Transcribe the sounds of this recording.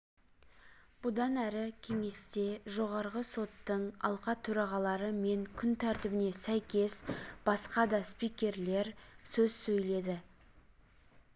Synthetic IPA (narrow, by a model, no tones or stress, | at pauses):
b̥ʊd̪ɑnæɾɪkʲʰe̞ŋe̞st̪e̞ʒo̞ʁɑɾʁəso̞t̪ːəɴɑ̰lˠqɑt̪ʰɵɾɑʁɑlˠɑɾəme̞ŋkʲʰʏnt̪ʰæɾt̪ɪbɪne̞sæjkʲe̞sb̥ɑsqɑd̪ɑspijkʲe̞ɾle̞ɾsɵzsɵjle̞d̪ɪ